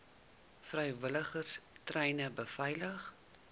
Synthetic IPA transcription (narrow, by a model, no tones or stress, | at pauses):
frɛjvələχərstrɛjnəbəfɛjləχ